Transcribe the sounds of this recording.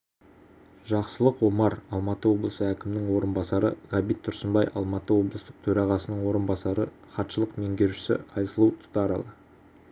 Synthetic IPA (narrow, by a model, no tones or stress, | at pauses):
ʒɑqsəlˠəqwo̞mɑɾɑlˠmɑt̪əwo̞blˠəsəækʲɪmɪnɪŋwo̞ɾənbɑsɑɾə̰ʁɑbijt̪̚t̪ʰːʊɾsəmbɑjʔɑ̰lˠmɑt̪əwo̞blˠəst̪əq̚t̪ʰɵɾɑʁɑsənəɴwo̞ɾənbɑsɑɾə | χɑt̪ʃəlˠəqme̞ŋɡʲe̞ɾʒɪsɪ̰ɑjsəlˠuwt̪ʰʊ̥t̪ɑɾɑlˠə